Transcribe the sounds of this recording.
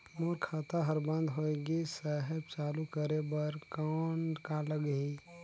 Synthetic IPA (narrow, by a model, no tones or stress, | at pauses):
moːɾkʰaːt̪aɦəɾbə̃nd̪ɦoeɡisɛɦɛbt͡ʃaːlukəɾebəɾkaɳɖkaləɡɦi